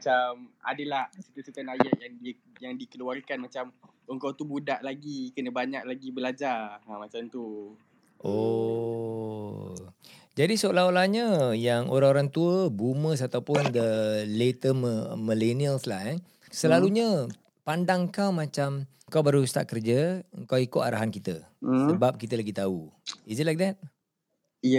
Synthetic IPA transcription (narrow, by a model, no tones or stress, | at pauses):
mat͡ʃama̰dəlahsət̪usət̪anajaʔjaŋdi | jaŋdikəluarkanmat͡ʃam | əŋkawt̪ubudaʔlaɡikənəbaɲak̚laɡibəlad͡ʒarmat͡ʃamt̪u | ʔo | d͡ʒadisəolaɦolahɲə̃jaŋoɾaŋoɾaŋt̪uəbuməs̬at̪awpʊnd̪əlet̪əməməleniəlslaɛ | səlaluɲə | pandaŋkawmat͡ʃam | kawbaɾust̪a̰ʔkərd͡ʒəəŋkawikʊʔ̪a̰ɾaɦankit̪ə | səbap̚kit̪əlaɡit̪auizɛtlajk̚d̪ɛt̪̚